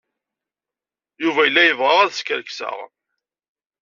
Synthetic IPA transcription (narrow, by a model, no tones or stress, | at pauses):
juvæjəlːæjəvʁəʁæðskəɾksə̰ʁ